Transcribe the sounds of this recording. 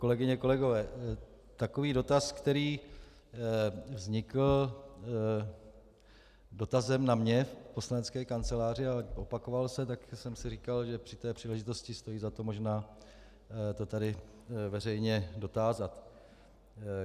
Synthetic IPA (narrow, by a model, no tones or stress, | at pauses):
ko̞lɛɡɪɲɛko̞lɛɡo̞vɛː | t̪ako̞viːdo̞t̪askt̪ɛɾiː | vzɲɪkl̩ | do̞t̪azɛmnamɲɛfpo̞slanɛt͡skɛːkant͡sɛlaːr̝ɪaʔo̞pako̞valsɛt̪aksɛmsɪriːkalʒɛpr̥ɪ̥t̪ɛːpr̝̥iːlɛʒɪt̪o̞scɪst̪o̞jiːzat̪o̞mo̞ʒnaː | t̪o̞t̪adɪ | vɛrɛjɲɛdo̞t̪aːzat̪